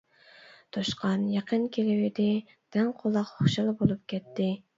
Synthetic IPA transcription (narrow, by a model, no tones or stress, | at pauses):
t̪ʰoʃqʰɑnjɑqʰənkʲʰelɪwɪd̪ɪ | d̪̥ɛŋqʰolˠːɑqχoʃɑlˠbolˠup̚kʲʰɛt̪ːɪ